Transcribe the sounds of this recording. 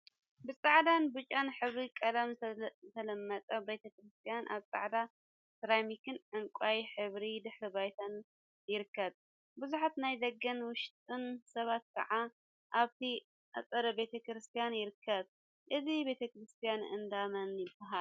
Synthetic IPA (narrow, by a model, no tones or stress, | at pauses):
bɨt͡sʼaʕd̪anbɨt͡ʃʼanħɨβɾikʼɐd̪amzɨt̪ʰɐlɐmːɐt̪ʼɐbet̪ʰɐkɾɨst̪ʰijanʔa̰βt͡sʼa̰ʕd̪a | sɨɾajmikʰɨnʕɨŋkʷʼajħɨβɾid̪ɨħɾɨbajt̪ʰan | jɪɾɨkːɐβ | bɨzuħat̪najd̪ɐɡːɐnwʊʃt̪ʼɨnsɐβat̪̚kʰɐ̰ʕa | ʔaβt̪ʰi | ʔat͡sʼɐɾɐbe̞t̪ʰɐkɾɨst̪ʰijanjɪɾɨkʰːɐβ | ʔɨzibe̞t̪ʰɐkɾɨst̪ʰijanʔɨ̰nd̪amɐnjɪbɐɦal